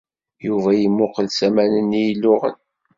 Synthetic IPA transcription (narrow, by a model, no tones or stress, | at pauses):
juvæjimːʊqəlsæmænənijlːʊʁə̰n